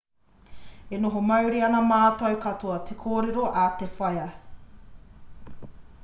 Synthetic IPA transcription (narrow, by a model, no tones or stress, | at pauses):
enoɦomɐwɾiɐnɐmaːtɐwkɐtʰoɐtʰekʰoːɾeɾoʔatefɐjɐ